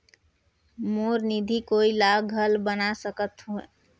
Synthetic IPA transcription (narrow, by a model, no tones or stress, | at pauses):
moɾnid̪ʱikoilaɡʱəlbənasəkət̪ɦue